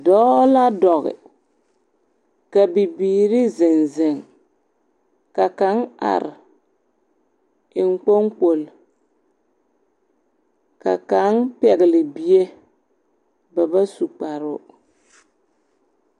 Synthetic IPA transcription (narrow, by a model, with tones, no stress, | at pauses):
dɔː˦la˦dɔ˨ɣɪ̰˨ | ka˨bi˨biː˨ɾɪ˦zɪ˨nzɪ˨ŋ | ka˨ka˨˦na̰˨ɾɪ˨ | ɪ˨ŋ˦k͡po˦ŋk͡po˨l | ka̰˨ka˨˦npɛ˨ɣɪ˨lɪ˨bi˦e˦ | ba˨ba˦su˨k͡pa˨ɾʊ˦